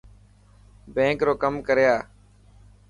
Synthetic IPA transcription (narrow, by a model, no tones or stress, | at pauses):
bẽːkɾoːkəmkəɾjaː